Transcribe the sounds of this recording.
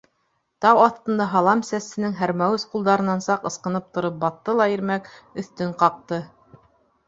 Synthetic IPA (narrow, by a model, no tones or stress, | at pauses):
t̪ɑwɑθt̪ɤ̆nd̪ɑɦɑlˠɑmsæsɘ̆nɘŋɦæɾmæwɘsqulˠd̪ɑɾɤ̆nɑnsɑqɤ̆sqɤ̆nɤp̚t̪ŏɾɤp̚bɑt̪ːɤlˠɑiɾmækɵ̆θt̪ɵɴqɑq̚t̪ɤ